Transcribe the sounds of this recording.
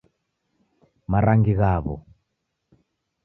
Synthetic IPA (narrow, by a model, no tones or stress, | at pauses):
maɾaŋɡiɣaβɔ̰